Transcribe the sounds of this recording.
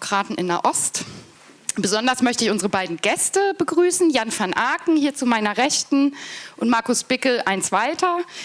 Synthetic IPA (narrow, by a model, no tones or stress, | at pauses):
kʁ̥aːtn̩ɪ̰naʔɔst | b̥əzɔndɐsmœçtəɪçʊnzəʁəbaɪdn̩ɡɛstəbəɡʁyːsn̩janfanʔaːɐkŋ̩hiːɐt͡sumaɪnɐʁɛtn̩ʔʊntmaɐkʊsb̥ɪklʔaɪnt͡sv̥aɪtʰɐ